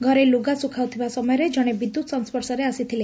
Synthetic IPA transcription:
ɡʱɔɾeluɡasukʰawt̪ʰiʋasɔmɔjɾed͡ʒɔɽ̃ebid̪ːut̪sɔnspəɾsɔɾeasit̪ʰile

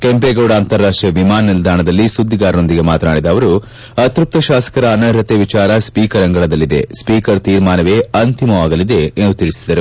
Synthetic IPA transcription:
kempeːɡoːɽɐːnt̪ɐɾːaːʂʈɾiɐʋimaːnːild̪ʱaːɳɐd̪ɐlːisud̪ːiɡaːɾno̞nd̪iɡe̞maːt̪ɐnaːɽid̪ɐʋɐɾu | ɐt̪ɾup̚t̪ɐʃaːsɐ̥kɐɾɐːnɐɾɐt̪eːʋit͡ʃaːɾɐspiːkɐɾɐŋɡɐɭɐd̪ɐlːid̪ḛspiːkɐɾt̪iːɾmaːnɐʋeːɐnt̪imɐʋaːɡɐlid̪e̞ːnd̪ut̪iɭisid̪ɐɾu

